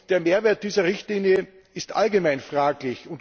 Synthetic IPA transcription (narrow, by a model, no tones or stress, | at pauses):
d̥eːɐmeːɐveːɐt̚d̥iːzɐʁɪçtliːnjə | ɪstʔa̰lɡəmaɪnfʁ̥aːklɪçʊnt